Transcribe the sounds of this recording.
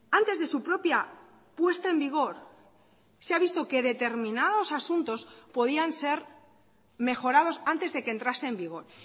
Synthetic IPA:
ant̪e̞zðe̞supɾo̞pja | pwe̞st̪aembiɣ̞o̞ɾ | seaβist̪o̞ke̞ðe̞t̪e̞ɾmĩnað̞o̞sasunt̪o̞spo̞ðianse̞ɾ | me̞xo̞ɾað̞o̞sant̪e̞zðe̞kent̪ɾaseːmbiɣ̞o̞ɾ

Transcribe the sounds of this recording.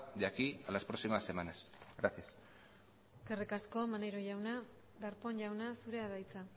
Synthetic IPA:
d̪akialaspɾoksimase̞manasɡɾasias | eskerikasko̞manejɾo̞ʝawna | ðaɾpo̞nʝawnasuɾeaðajt͡sa

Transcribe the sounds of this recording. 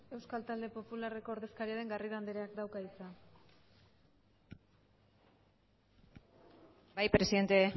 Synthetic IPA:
e̞wskalt̪ald̪e̞po̞pulare̞ko̞ːɾðe̞skaɾiaɾe̞ŋɡariɾand̪eɾeakd̪awkaisan | bajpɾe̞siðe̞nt̪e

